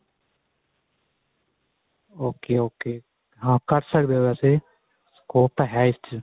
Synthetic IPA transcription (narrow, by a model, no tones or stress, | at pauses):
oːkeːoːkeː | ɦãːkəɾsəkd̪eːʋɛːse | skoːp̚t̪aɦɛːɪst͡ʃ